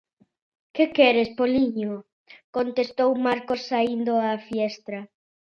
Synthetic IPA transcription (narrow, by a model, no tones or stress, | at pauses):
kɪkɛɾɪspoliɲo | kont̪est̪owmaɾkosːaind̪oafjɛst̪ɾɐ